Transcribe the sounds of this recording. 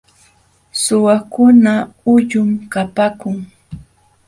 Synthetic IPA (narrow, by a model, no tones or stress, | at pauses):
sʊwakʊnaʊʎʊmkapakʊŋ